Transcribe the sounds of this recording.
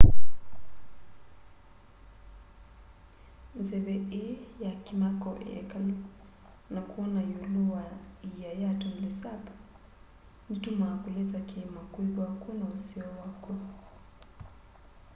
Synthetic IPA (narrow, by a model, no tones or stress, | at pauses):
nzɛβɛɛjakimakɔʔɛ̰kalu | nakuɔnajuluaijajatɔm̩lisapḁ | nitumakulɛzakɛmakuiβwakunausiɔwakɔ